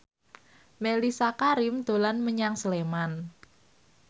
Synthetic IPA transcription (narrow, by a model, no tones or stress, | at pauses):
melisakaɾimd̪̥o̤lanməɲaŋsəleman